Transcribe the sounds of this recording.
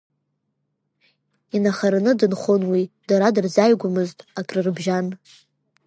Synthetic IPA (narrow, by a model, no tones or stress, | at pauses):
inaχaɾanɨdɨnχonwid̥aɾadɨrzajɡʷʊmɨztʼakʼrɨrbʒan